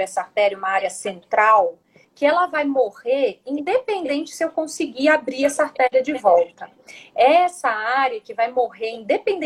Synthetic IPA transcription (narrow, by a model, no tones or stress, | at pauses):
ɛsɐaɾt̪ɛɾɐũmɐaɾiɐsẽnt̪ɾaw | kɪɛlɐvajmoʁeɾĩd̪epẽnd̪ẽnt͡ʃɪ̥sɪewkõsɪɡiabɾiɛsaɾt̪ɛɾiɐd͡ʒɪvɔwt̪ɐ | ɛɛsɐaɾiɐkɪvajmoɦeɾĩd̪epẽnd̪